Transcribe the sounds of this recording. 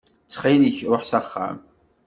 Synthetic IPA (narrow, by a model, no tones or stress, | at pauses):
t͡sːχiniçɾˤoħsæχːæ̰m